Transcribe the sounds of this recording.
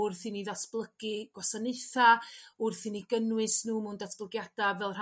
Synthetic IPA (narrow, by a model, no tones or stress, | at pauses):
ʊrθiniðatʰb̥lˠəɡ̥ɨɡ̥wɔsaneɨθaʊrθiːniɡənwɨsnuːmʊndatʰb̥lˠəɡjad̥avɛlˠr̥